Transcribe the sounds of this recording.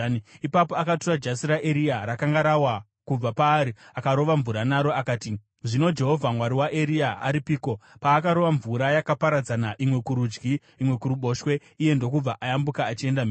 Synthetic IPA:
ipapoakaturad͡ʒasiɾaʔeɾiaɾakaŋɡaɾawa | kub͡vapaːɾiakaɾo̞ʋaɱvuɾanaɾo̞akaːti | ʐino̞d͡ʒe̞ɦo̞vʱamwaɾiwaʔeɾiaaɾipiːko̞paːkaɾo̞ʋaɱvuɾajakapaɾad͡zanaʔimwe̞kuɾud͡ʒɡiː | mwe̞kuɾuɓo̞ʃwe̞ | ije̞ndo̞kub͡vaʔajambukaːt͡ʃie̞ndami

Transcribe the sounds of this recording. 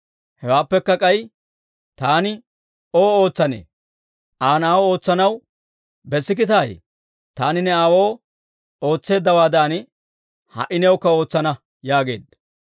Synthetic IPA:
hɛwaːpːɛkːɐkʼɐj | t̪aːnɪ | oːo̞ːt͡sːɐnḛː | ʔaːnaːwɔo̞ːt͡sːɐnɐw | bɛsːɪk̬ɪt̪aːj | t̪aːnɪnɛaːwo̞ː | o̞ːt͡sːe̞ːd̪ːɐwaːd̪aːn | hɐ̰ʔɪnɛwkːɐo̞ːt͡sːɐnɐ | jaːɡe̞̰ːd̪ɐ

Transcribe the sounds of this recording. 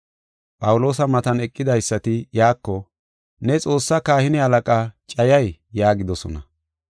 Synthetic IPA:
pʼɐwʊlo̞ːsɐmɐt̪ɐnɛkʼːɪd̪ɐjsːɐt̪ɪjaːkːɔ | nɛt͡sʼo̞ːsːɐkaːhɪnɪhɐlɐkʼaːt͡ʃʼɐjɐjjaːɡɪd̪ɔsɔ̰nɐ̰

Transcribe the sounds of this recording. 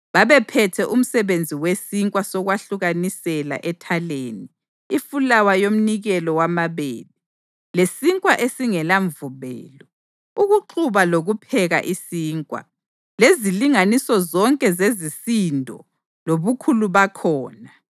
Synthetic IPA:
βaβɛpʰɛtʰɛʔum̩sɛβend͡zʱiwesiŋkʼwasɔɣwaɬuɣanisɛla̰ʔɛtʰaleːniː | fulawajom̩niɣɛlɔwamaβeːβi | lesiŋkʼwaʔesiŋɛlaɱvuβɛ̰ːlɔ | uɣuǃʰuβaloɣupʰɛɣa̰ʔisiːŋkʼwa̰ | leziliŋanisɔzɔŋkʼɛzezisindʱɔ̰ | loβukʰuluβakʰɔːna

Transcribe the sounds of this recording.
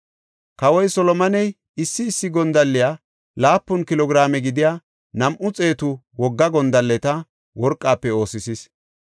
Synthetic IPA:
kɐwɔjsɔlɔmɐnɛj | ɪsːɪːsːɪɡɔnd̪ɐlːɪjaː | laːpːʊnkɪlɔɡɾaːmɛɡɪd̪ɪjaː | nɐmʔʊt͡sʼe̞ːt̪ʊ | wɔɡːɐɡɔnd̪ɐlːɛt̪ɐ | wɔɾkʼːaːpːɛo̞ːsɪsis

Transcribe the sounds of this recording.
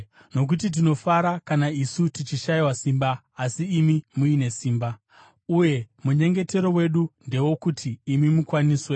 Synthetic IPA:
no̞k̬ut̬it̬ino̞faɾakanaisutit͡ʃiʃaiwasimbaː | siːmimuine̞siːmba | uje̞muɲe̞ŋɡe̞te̞ɾo̞we̞ɗunde̞wo̞kutʰiːmimukwaniːswe̞

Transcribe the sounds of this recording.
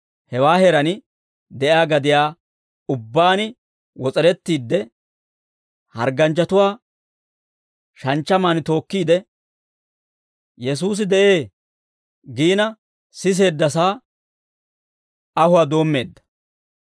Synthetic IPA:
hɛwaːheɾɐnɪ | d̪ɛʔjaːɡɐd̪ɪjaː | ʊbːaːnɪ | wɔt͡sʼɛɾɛt̪ːiːd̪ːɛ | hɐ̰ɾɡɐnt͡ʃːɐt̪ʊwaː | ʃɐnt͡ʃːɐmaːnɪt̪o̞ːkːiːd̪ɛ | jɛs̬uːs̬ɪd̪ɛʔe̞ː | ɡiːnɐ | sɪs̬e̞ːd̪ːɐsaː | ɐhʊwaːd̪o̞ːmːe̞ːd̪ːɐ̥

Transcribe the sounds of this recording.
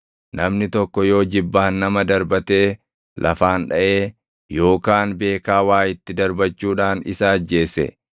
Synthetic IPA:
nɐmnɪt̪ɔkːɔjo̞ːd͡ʒɪbːaːnːɐmɐd̪ɐɾbɐt̪e̞ː | lʔɐ̰faːnᶑɐʔe̞ː | jo̞ːkaːnbe̞ːkaːwaːjɪt̪ːɪd̪ɐɾbɐt͡ʃːuːᶑaːnɪ̰sɐːd͡ʒːe̞ːsɛ̰

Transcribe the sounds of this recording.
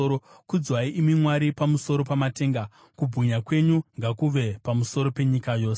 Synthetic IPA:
kud͡zwaiʔimimwaɾipamuso̞ɾo̞pamate̞ːŋɡa | kubʱuɲakwe̞ɲuŋɡakuʋe̞pamuso̞ɾo̞pe̞ɲikajo̞ːse

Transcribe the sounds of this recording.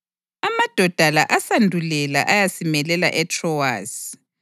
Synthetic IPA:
amad̥ʱɔd̥ʱala̰ʔasandʱulɛla̰ʔajasimɛlɛla̰ʔɛtʰrɔwa̰ːsi

